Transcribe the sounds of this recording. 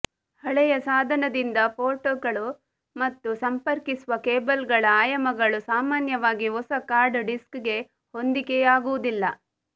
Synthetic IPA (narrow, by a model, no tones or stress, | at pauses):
hɐɭɛjɐsaːd̪ʱɐnɐd̪ind̪ɐpʰoːʈoːɡɐɭu | mɐt̪ːusɐmpɐɾkisuʋɐkeːbɐlɡɐɭɐaːjɐmɐɡɐɭusaːmaːnjɐʋaːɡiɦɔsɐkaːɾɖɖiskɡe̞ | hond̪ikejaːɡuʋud̪ilːɐ